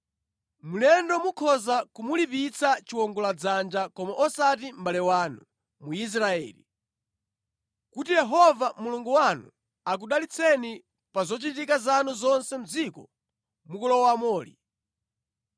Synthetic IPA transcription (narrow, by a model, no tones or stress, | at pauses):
mulɛndɔmukʰɔzakumulipit͡sʰat͡ʃiwɔŋɡɔlad͡zand͡ʒakɔmaʔɔsat̬imbalɛwaːnu | muis̬ɾaɛ̰ːli | kutijɛɦɔvamuluŋɡuwanṵ | ak̬uɗalit͡sʰɛni | pazɔt͡ʃitikazanuzɔnsɛm̩d͡zikɔ | mukɔlɔwamɔːlḭ